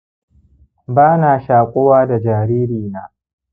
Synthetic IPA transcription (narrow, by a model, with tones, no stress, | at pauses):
baː˦naː˨ʃaː˨kʷʼoː˦waː˦da˨d͡ʒaː˨ɾiː˦ɾiː˨naː˦